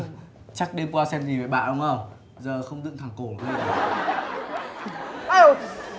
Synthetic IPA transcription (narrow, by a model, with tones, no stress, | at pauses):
t͡ɕa˦˥k̚ɗe˧mkaː˧sɛ˧mzi˨˩ve˨˩ɓa̰ː˧˨nɗʊ˧wŋ͡mʔə˧˩w | zəː˨˩xə˧wŋ͡mzɨ̰˧˨ŋt̪ʰaː˨˩ŋko˧˩n˨˩˨zi˧˩ɗɨ˨˩˦